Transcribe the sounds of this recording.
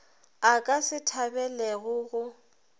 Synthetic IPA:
akʼasɪtʰabɛleɣʊɣʊ

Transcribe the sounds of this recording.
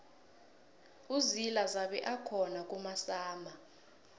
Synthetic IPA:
uzilazaɓɛʔakʰɔnak̬ʼumasaːma

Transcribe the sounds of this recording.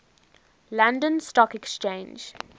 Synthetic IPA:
lãndə̃nstɔkɛkst͡ʃẽːnd͡ʒ

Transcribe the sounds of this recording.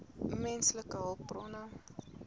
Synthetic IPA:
mɛnsləkəɦəlˠpːrɔnam

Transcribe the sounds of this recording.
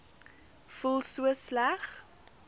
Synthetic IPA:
fulˠsuəslæχ

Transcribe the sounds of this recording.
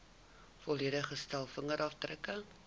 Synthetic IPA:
fɔliədəχəstælˠfəŋəɾʔɑfdrəkə

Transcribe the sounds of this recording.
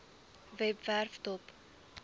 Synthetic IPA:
vɛpværftɔp

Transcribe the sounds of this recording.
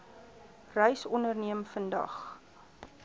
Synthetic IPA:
rɛjsɔnərniəmfəndɐ̰χ

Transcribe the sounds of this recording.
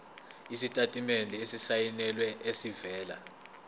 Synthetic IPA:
isitʼatʼimɛnʱɛesisajinɛlwɛesivɛːla̰

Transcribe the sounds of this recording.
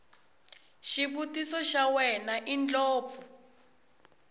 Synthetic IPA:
ʃiβutisɔʃawɛnaʔind͡ɮɔːp̪fu

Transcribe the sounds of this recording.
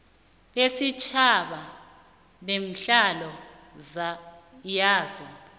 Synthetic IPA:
ɓesit͡ʃʰaɓa | nem̩ɬalɔ | jaːzɔ

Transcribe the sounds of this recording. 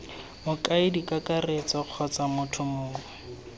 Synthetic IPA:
mʊkaɪdikʼakʼaret͡sɔq͡χʰɔt͡samʊtʰʊmʊːkɔ

